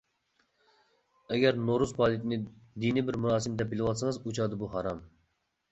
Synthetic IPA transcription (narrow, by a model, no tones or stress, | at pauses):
ɛɡʲɛɾnoɾuzpɑːlˠit̪ʰɪnɪd̪inɪbɪɾmuɾɑːsɨmd̪ɛp̚bilɪwɑt̪sɨŋɨzut͡ʃʰɑːd̪ɨbuɦɑɾɑm